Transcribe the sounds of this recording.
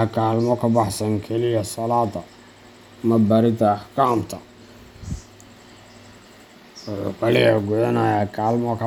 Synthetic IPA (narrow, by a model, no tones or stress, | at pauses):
kʰaːlmɔkʰɐbɑħsɐŋkʰɛlɪjɐsɐlaːd̪ɐ | mɐbɐɾɪt̪ɐkʰamt̪ʰɐ | wʊħʊ̰ːkʰɐlɪjɐɡʊʕɛnɐjaːkʰaːlmɔkʰɐ